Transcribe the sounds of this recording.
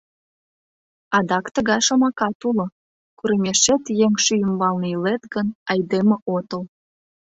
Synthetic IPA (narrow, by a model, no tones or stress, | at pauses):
ɑd̪ɑkt̪əɣɑjʃɑmɑkɑt̪ulŏ | kuɾəmʲeʃet̪jeŋʃyjəmbɑlnəilet̪ɡənɑjd̪emeʔot̪əl